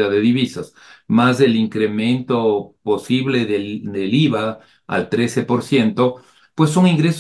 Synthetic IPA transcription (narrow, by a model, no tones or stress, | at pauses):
aðeðiβisas | mazðeliŋkɾemẽ̞nt̪oposiβleðed̪eliβa | a̰lt̪ɾesepoɾsjent̪o | pwesːoŋiŋɡɾes